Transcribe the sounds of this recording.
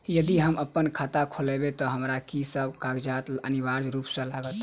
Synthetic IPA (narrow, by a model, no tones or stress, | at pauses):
jəd̪iɦəməpːənkʰat̪akʰolebet̪ɔɦəmɾakisəbkaɡd͡ʒat̪ənibaɾd͡ʒɾupsə̃laɡət̪